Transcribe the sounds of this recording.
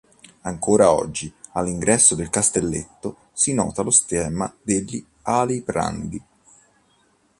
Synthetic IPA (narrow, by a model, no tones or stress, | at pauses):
aŋkoːɾaɔ̰d͡ʒːialːiŋɡɾɛsːod̪elkast̪elːḛt̪ːo | sinɔ̰ːt̪alost̪ɛːmad̪eʎːi | alibɾa̰nd̪i